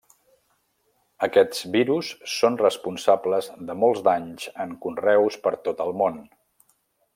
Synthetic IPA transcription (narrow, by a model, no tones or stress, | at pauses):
əkɛsbiɾusːonrəspunsabləzðəmolˠzd̪aɲzəŋkunrɛwspəɾt̪ot̪əlˠmon